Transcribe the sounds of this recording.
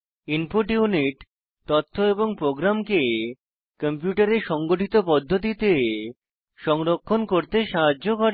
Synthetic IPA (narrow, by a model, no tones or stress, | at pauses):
infoʈiuniʈ | t̪ɔt̪ʰːoeboŋpɾoɡɾamke | kəmpjuʈaɾeɾʃɔŋɡoʈʰit̪opɔd̪ʱːot̪̬it̪e | ʃɔŋɾokʰːonkoɾt̪eʃaɦad͡ʑoɡʱɔʈ